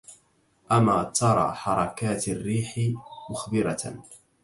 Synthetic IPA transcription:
ʔamaːt̪ɑɾˤɑ̰ːħɑɾˤɑkaːt̪arːiːħɪmʊxbɪɾa

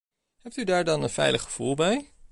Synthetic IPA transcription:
ɦɛp̚tydaːɹdɑnənfɛ̰jləχχə̥v̥ulˠbɛj

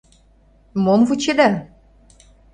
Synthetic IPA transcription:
momvut͡ɕed̪æ

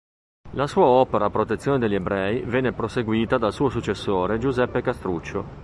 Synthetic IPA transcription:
lasuːaɔːpeɾaːpːɾot̪et̪sːjoːned̪eʎːiebɾɛːivɛnːepɾoseɡwiːt̪ad̪alsuːosut͡ʃːesːoːɾed͡ʒuzɛpːekast̪ɾut͡ʃːo

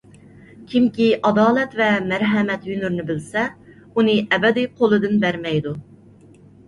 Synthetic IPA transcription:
kʲʰimkʲiʔɑd̪ɑːlˠɛt̪vɛmæɾɦɛmɛt̪jynyɾnɪbɪlsɛ | unɨʔɛbɛd̪iqʰolˠɨd̪ɨnbæɾmɛjd̪u

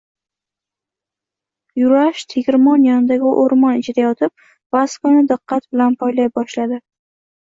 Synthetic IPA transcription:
jʊɾaʃt̪ʰeɡʲɾmɒnjɒnɪd̪aɡʲɪʔoɾmɒnɪt͡ʃʰɪd̪ajɒt̪ʰɪp̚ | vaskanɪd̪ɨqːɑt̪bɪlanpʰɒjlajbɒʃlad̪ɪ

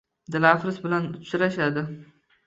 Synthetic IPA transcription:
d̪ɪlafɾɪsbɪlanʊt̪sɪɾaʃad̪ɪ

